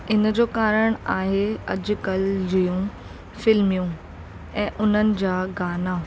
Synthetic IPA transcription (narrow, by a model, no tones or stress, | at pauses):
ɪnd͡ʑoːkaːɾəɽ̃aːɦeɐ̰d͡ʑʊ̆kəld͡ʑijũ | fɪlmijũ | ɛ̃ːʔʊn̤ənɪ̆d͡ʑaːɡaːnaː